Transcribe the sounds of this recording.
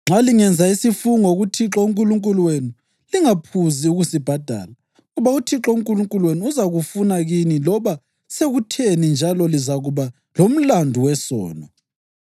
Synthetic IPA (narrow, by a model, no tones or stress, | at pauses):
ŋ͡ǁaliŋɛnd͡zʱaisifuŋoɣutʰiǁɔuŋkʼuluŋkʼulwenu | liŋapʰuziuɣusib̥ʱad̥ʱa̰ːla | ɣuβautʰiǁɔuŋkʼuluŋkʼulweniuzaɣufunaɣinilɔβa | seɣutʰenind͡ʒʱalɔlizaɣuβa | lom̩landʱuwɛsɔ̰ːnɔ